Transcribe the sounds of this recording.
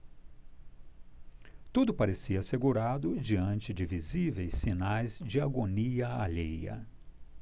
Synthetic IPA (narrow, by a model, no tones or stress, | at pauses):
t̪ud̪ʊpaɾesiɐːseɡuɾad̪ʊd͡ʒiɐ̃nt͡ʃɪd͡ʒɪvizivejsːinajzd͡ʒɪaɡoniɐaʎejɐ̰